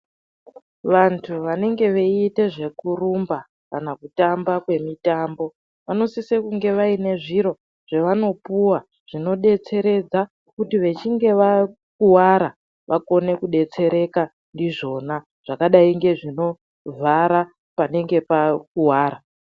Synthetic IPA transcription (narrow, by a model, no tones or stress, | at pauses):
ʋantʰuʋane̞ŋɡe̞ʋeite̞ʐe̞kurumba | kanakutambakwe̞mitaːmbo̞ | ʋano̞sisekuŋɡe̞ʋaine̞ʐiɾo̞ | ʐ̥eʋano̞puwa | ʐ̥ino̞ɗe̞t͡se̞ɾe̞d͡za | kutiʋe̞t͡ʃiŋɡe̞ʋa | kuwaɾa | ʋʔako̞ne̞kuɗe̞t͡se̞ɾe̞ka | ndiʐo̞na | ʐ̥akaɗaiŋɡe̞ʐino̞ | vʱaɾa | pane̞ŋɡe̞pakuwaːɾa